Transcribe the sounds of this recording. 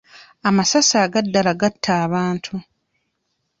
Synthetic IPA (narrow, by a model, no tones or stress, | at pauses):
amasasaːɡadːalaɡatʰːaːβaːntʰu